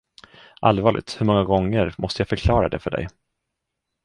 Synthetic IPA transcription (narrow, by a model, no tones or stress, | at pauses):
ʔalvɑːɭʔɪ̰t̪hɵɾmɔŋːaɡɔŋːəɾmʔɔst̪əjafœɾkʰlɑːɾad̪ɛ̰fœɖɛ̰j